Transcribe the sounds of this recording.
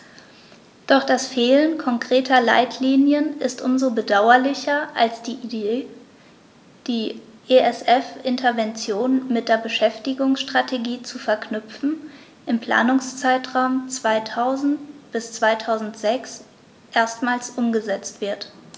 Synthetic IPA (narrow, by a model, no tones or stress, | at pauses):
d̥ɔχd̥asfeːlənkʰɔŋkʁ̥eːtʰɐla̰ɪtʰliːnjənɪstʔʊmzobədaʊɐlɪçɐʔalsd̥ | d̥iːʔeɛsʔɛfʔɪntʰɐvɛnt͡sjoːnmɪt̚d̥eːɐbəʃɛftɪɡʊŋsʃtʁ̥atʰeɡiːt͡sufɛɐknʏpp͡fn̩ | ʔɪmpl̥a̰ːnʊŋst͡saɪtʁ̥aʊmt͡sv̥aɪtʰaʊzn̩tb̥ɪst͡sv̥aɪtʰaʊzn̩tz̥ɛks | ʔeːɐstmaːlsʔʊmɡəzɛt͡stv̥ɪɐt